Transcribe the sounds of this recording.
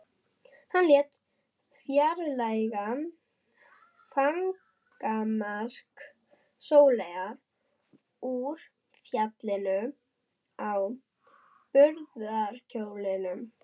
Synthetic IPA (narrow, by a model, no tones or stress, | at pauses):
hanljɛːt̪ | fjaɾlajɣa | faŋ | kamaɾ̥k | soːwlɛjɣaɾ | uɾ̥ | fjat̪lɪnʏ | aw | pʏɾðaɾ̥cʰoːwlɪnʏm